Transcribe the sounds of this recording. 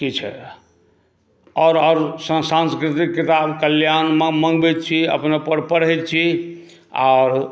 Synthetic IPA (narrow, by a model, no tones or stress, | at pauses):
kit͡ʃʰɛ̰ | ɔɾɔɾsəsãnskɾit̪ikːit̪abkəljanməmə̃ŋɡbɛt̪̚t͡ʃʰiə̰pnepəɾpəɽ̤ɛjt̪̚t͡ʃʰi | a̰ɾ